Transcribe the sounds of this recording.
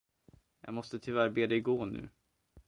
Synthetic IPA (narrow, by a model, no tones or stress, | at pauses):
jɑ̰ːɡmɔst̪ət̪ʰʏvæɾbeːd̪ɛjɡoːɳʉ̟̰ː